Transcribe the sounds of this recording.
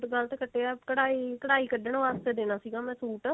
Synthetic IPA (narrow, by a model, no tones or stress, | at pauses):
ʈɡəlt̪eːkəʈːeːɛːkəɽaːiːkəɽaːiːkəɖəɳ̃ʋaːst̪eːd̪eːnaːsiːɡaːmɛ̃ːsuːʈ